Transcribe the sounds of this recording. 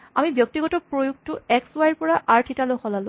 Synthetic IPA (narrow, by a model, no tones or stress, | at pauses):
amibjɔk̚tiɡɔtɔpɹojuk̚tʊɛkswajɹpɔɹaʔaɹtʰitaloxɔlalʊ̃